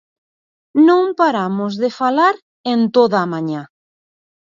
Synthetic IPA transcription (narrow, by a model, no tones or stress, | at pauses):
nõmpaɾamozðefalaɾ | ent̪oðaːmãɲa